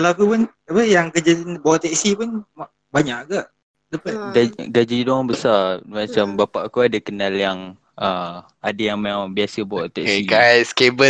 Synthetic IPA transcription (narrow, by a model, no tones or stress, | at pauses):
kalakupʊn | apəjaŋkəd͡ʒat̪nbawʔt̪ɛksipʊnma | baɲaʔɡaʔ | dəpat̪̚ɡaɡad͡ʒidɔŋbəsamat͡ʃambapaʔkuadəkənaljaŋ | əm | adəjaŋmaabiasəbawɔʔt̪ɛʔiɡajskebə